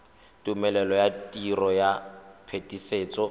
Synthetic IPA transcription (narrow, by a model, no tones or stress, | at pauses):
tumɛlɛlɔjatʼirɔjapʰetʼiseːt͡sʼɔ